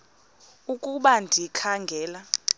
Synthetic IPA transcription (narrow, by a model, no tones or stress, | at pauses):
ukʼuɓandʱikʰaŋɡʱɛːla